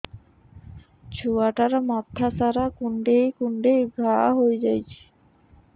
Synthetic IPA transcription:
t͡ɕʰuaʈaɾmat̪ʰːasaɾakuɳɖejkuɳɖejɡʱaɦojd͡ʑajt͡ɕʰe̥

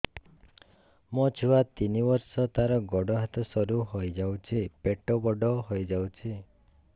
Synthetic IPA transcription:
mɔt͡ʃʰuwat̪inibɔɾsɔt̪aɾɔɡɔɖɔɦat̪ɔsɔɾuɦojd͡ʒawt͡ʃʰipeʈɔbɔɖɔɦojd͡ʒawt͡ʃʰi

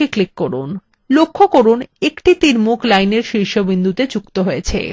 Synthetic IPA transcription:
iklikːoɾṵn | lokʰːokoɾunekʈit̪iɾmuklajneɾʃɾiʃobind̪ʱut̪ed͡ʑukt̪oɦojet͡ɕʰḛ

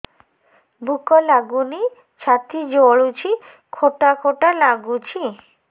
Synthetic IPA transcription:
bukolaɡuni | t͡ɕʰat̪id͡ʑoɭut͡ɕʰi | kʰoʈakʰoʈalaɡut͡ɕʰi

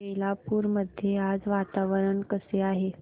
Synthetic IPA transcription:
eilapuːɾməd̪ʱjead͡zʋat̪aʋəɾəɳkəseaɦe

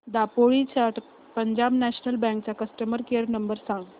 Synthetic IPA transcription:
d̪apoɭit͡ɕaʈ | pəɲd͡ʑabnæɕnəlbɛ̃ŋk̚t͡sakəsʈəməɾkeəɾnəmbəɾsãŋɡ

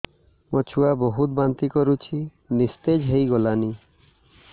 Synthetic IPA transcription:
mɔt͡ʃʰuabɔɦut̪̚bant̪ikɔɾut͡ʃʰi | nist̪ed͡ʒɦejɡɔlani

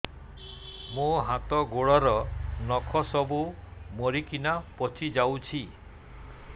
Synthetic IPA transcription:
muɦat̪ɔɡoɽɔɾɔnɔkʰɔsɔbumoɾikinapɔt͡ʃʰid͡ʒawt͡ʃʰi

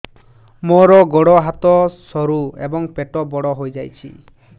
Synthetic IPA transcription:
moɾɔɡoɽɔɦat̪ɔsɔɾuḛbɔŋpeʈɔbɔɽɔɦojd͡ʒajt͡ʃʰḭ

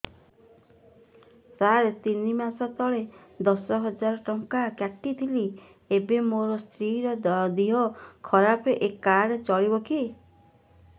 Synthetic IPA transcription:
saɾet̪inimasɔt̪ɔɭed̪ɔsɔɦɔd͡ʒaɾɔʈɔŋkakjaʈːit̪ʰili | ebemoɾɔst̪ɾiɾɔd̪d̪iɦɔkʰɔɾapeʔekaɽet͡ʃɔɭibɔkʰi

